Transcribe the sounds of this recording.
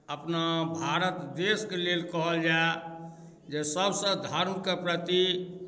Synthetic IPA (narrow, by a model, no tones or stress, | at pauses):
əpnabʱaɾət̪d̪eskelelkəɦəld͡ʒae | d͡ʒesəbsə̃d̪ʱəɾmkepɾət̪i